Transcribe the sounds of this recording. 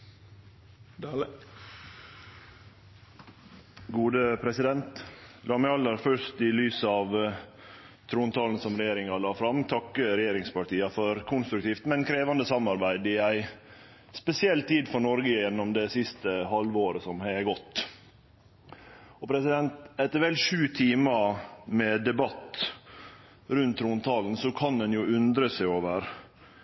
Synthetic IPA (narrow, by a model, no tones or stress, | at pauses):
ɡuːd̪əpʰɾɛsɪd̪ɛnt̪lɑmɛɑlːəɾfœʂt̪ɪlyːsəɑʋ | t̪ʰɾuːnt̪ʰɑːln̩sɔmɾɛjeːɾɪŋɑlɑːfɾɑmt̪ʰɑkːəɾɛjeːɾɪŋspɑʈiːɑfɔɾkʰʊnst̪ɾʉk̚t̪ʰiːft̪mɛnkʰɾeːʋɑnd̪əsɑmɑɾbæɪd̪ɪæɪ | spɛsɪɛlt̪ʰiːd̪fɔɳɔɾɡəjɛnːɔmd̪ɛsɪst̪əɦɑlʋoːɾəsɔmhæɪɡɔt̪ː | ɔpʰɾɛsɪd̪ɛnt̪ɛt̪ːəɾʋɛlʂʉːt̪ʰiːməmɛd̪ɛbɑt̪ | ɾʉnt̪ʰːɾuːnt̪ʰɑːln̩sɔkʰɑnɛnjʊʉnd̪ɾəsæɪoːʋəɾ